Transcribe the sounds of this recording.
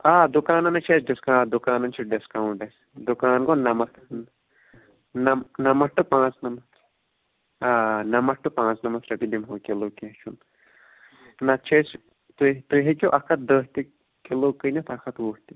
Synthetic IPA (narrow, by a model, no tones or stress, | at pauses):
aːd̪ukaːnɐnɐt͡ʃʰeːsɖiskãːd̪ukaːnɐnt͡ʃʰiɖiskɐuɳʈɐs | d̪ukaːnɡonɐmɐ | nɐnɐmɐɾʈɨpãːt͡snɐmɐt̪ | aːnɐmɐɾʈɨpãːt͡snɐmɐt̪ɾɐkid̪imɦoːkʲiloːket͡ʃʰun | nɐt͡ʃʰes | t̪ut̪uɦek̬ʲoʔɐkʰɐt̪̚d̪əːɦt̪i | kiloːkɨnɐt̪ʰɐkʰɐt̪wuːht̪i